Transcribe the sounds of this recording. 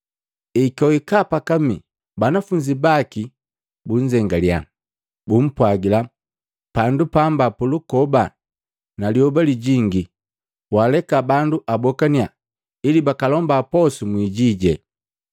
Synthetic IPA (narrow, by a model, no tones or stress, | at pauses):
ikɔikapakami | banafuɲd͡ʒibaki | buɲd͡ʒɛŋɡalja̰ | bum̩pwaɡila | pandupambapulukɔba | naliɔbaliɟiŋɡi | walɛkabanduʔabɔkania̰ | ilibakalɔmbapɔsumwiɟiɟɛ̰